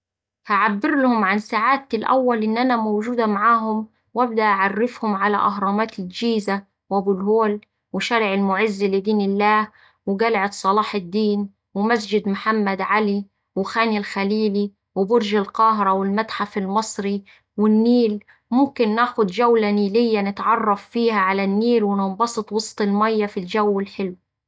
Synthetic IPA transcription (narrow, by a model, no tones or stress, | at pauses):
haʕabːɪɾlʊhʊmʕansaʕaːt̪lʔa̰wːalʔɪnːʔanamowʒuːd̪amaʕaːɦʊm | wʔab̚d̪aʔaʕarːɪfhʊmʕala̰ʔɑɦɾˤɑːmaːt̪ɪld͡ʒiːza | wʔabulɦoːl | wɪʃaɾʕɪlmʊʕɪzːilɪd̪iːnɪlːaːh | wɪɡalʕɪt̪sˤɑlɑːħɪd̪ːiːn | wɪmæs̬d͡ʒɪd̪mʊħamːad̪ʕali | wɪxæːnilxæliːli | wɪbʊɾʒɪlqɑːɦɪɾˤɑwɪlmat̪ħafɪlmɑsˤɾi | wɪnːiːl | mʊmkɪnːæːxʊd̪d͡ʒawlaniːlɪjːanɪt̪ʕɑrˤːɑfːiːhæʕalænːiːlwɪnɑmbɑsˤɨt̪ˤwɑsˤt̪ˤɪlmæjːafild͡ʒawːɪlħɪlw